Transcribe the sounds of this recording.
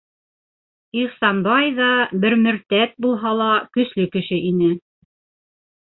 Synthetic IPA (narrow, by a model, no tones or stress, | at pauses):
iχsɑnbɑjðɑbɘɾmɘ̆ɾt̪æt̪̚bulˠɦɑlˠɑkɵ̆slɵkɘ̆ʃɘʔinɘ